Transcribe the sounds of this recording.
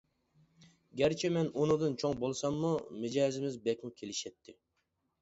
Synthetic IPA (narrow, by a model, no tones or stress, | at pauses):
ɡʲɛɾt͡ʃʰɛmɛnonɨd̪ɨnt͡ʃʰoŋbolˠsɑmːumɪd͡ʒɛːzɪmɪzbɛkʲmukʲʰelɪʃɛt̪ʰːɪ